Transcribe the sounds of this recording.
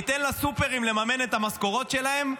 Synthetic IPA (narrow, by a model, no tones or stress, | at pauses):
it̪enlasupe̞ʁimle̞mame̞net̪amasko̞ʁo̞t̪ʃe̞lahe̞m